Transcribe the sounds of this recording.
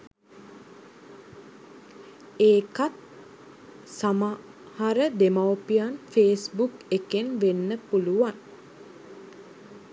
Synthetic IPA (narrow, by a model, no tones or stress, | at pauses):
eːkat̪̚ | sama | haɾəd̪emawpijanfeːsbukekenʋenːəpuluʋan